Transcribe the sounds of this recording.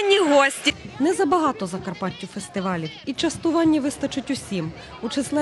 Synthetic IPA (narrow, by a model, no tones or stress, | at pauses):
nʲːiɦɔsʲtʲinɛzɐbɐɦɑt̪ɔzɐkɐrpɑtʲːiwfest̪ɪʋɑlʲiwit͡ʃɐst̪ʊʋɑnʲːiʋɪst̪ɐt͡ʃʊtʲʊsʲim | ut͡ʃɪslˠɛ